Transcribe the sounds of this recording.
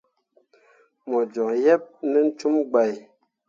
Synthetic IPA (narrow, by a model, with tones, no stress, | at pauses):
mɔ˨d͡ʒɔ˨ŋjɛ˦p̚nə˦n̩˦t͡ʃu˦mɡ͡ba˨j